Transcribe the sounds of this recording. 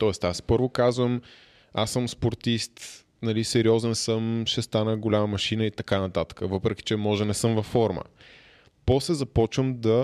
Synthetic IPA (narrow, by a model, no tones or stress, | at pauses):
t̪ɔɛst̪aspɤɾvokazvəm | asɤmspoɾt̪ist̪ | nɐlisɛɾiɔzɛnsɤmʃɛst̪anəɡolʲamɐmɐʃinəit̪ɐkanɐt̪at̪ə̥kəvɤpɾɛki̥t͡ʃɛmɔʒɛnɛsɤmvɐfːɔɾmə̰ | pɔslɛzɐpɔt͡ʃvəmd̪ɐ